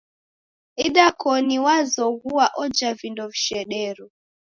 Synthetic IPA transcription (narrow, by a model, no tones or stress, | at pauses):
iɗakɔniwazɔɣuwaʔɔd͡ʒavindɔviʃɛɗɛɾu